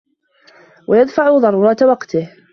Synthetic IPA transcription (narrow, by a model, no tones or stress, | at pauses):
wʔajad̪faʕʊðˤɑɾˤuːɾˤɑːt̪wɑqt̪ɪh